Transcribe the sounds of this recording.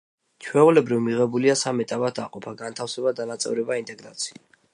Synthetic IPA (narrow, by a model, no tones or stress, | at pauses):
t͡ʃʰwɛulɛbɾivmiʁɛbuliasamɛt̪ʼabat̪ʰa̰qʼɔpʰaɡant̪ʰafsɛbad̪anat̪sʼɛ̰vɾɛbaint̪ʼɛɡɾat̪sʰi̥a